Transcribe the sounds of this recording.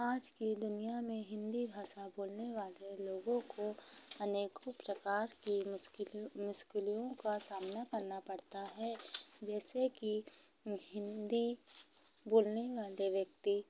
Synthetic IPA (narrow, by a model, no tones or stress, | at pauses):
aːd͡ʒkid̪ʊnijamẽɦɪ̃nd̪ibʱaːʃaboːlneʋaːleloːɡõkoɐneːkopɾəkaːɾki | mʊʃkɪlijõkasaːmnakɐɾnapɐɽt̪aɦɛd͡ʒɛːseki | ɦɪ̃nd̪i | boːlneʋaːleʋjɐkt̪i